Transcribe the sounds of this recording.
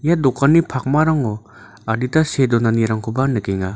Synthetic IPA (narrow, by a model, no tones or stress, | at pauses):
jadɔkːanipʰak̚maɾaŋɔ | aditasedɔnaniɾaŋkʰubanɯkeŋa